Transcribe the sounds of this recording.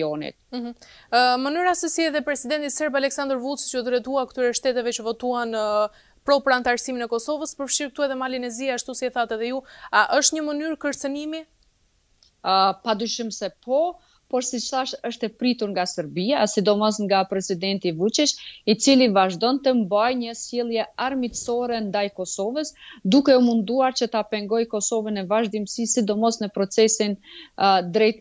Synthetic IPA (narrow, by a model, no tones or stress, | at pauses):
ɔnḭt̪̚m̩h̩mənyɾasɛsiɛðɛpɾɛsid̪ɛnt̪isɛɾbalɛksand̪əɾvut͡st͡ʃəud̪ɾɛt̪uakt̪yɾɛʃt̪ɛt̪ɛvɛt͡ʃəvɔt̪uanə | pɾɔpəɾant̪aɾsiminɛkɔsɔvəspəɾfʃiɾkt̪uɛðɛmalinɛziaʃt̪usiɛθat̪ɛðɛjuaʔəʃt̪ɲəmənyɾkəɾt͡sənimi | pad̪yʃəmsɛpʰɔ | pɔɾsit͡ʃθaʃəʃt̪ɛpɾit̪uɾŋɡasəɾbiasid̪ɔmɔs̬ŋɡapɾɛsid̪ɛnt̪ivut͡ʃiʃit͡silivaʒd̪ɔnt̪əmbajɲəsjɛlˠjɛaɾmit̪ə̥sɔɾɛnd̪ajkɔsɔvəsd̪ukɛɔmund̪uaɾt͡ɕət̪apɛŋɡɔjkɔsɔvənɛvaʒd̪imsisid̪ɔmɔsnəpɾɔt͡sɛsin | d̪ɾɛjt̪̚